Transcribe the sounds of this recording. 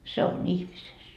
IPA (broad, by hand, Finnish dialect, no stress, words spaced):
se on ihmises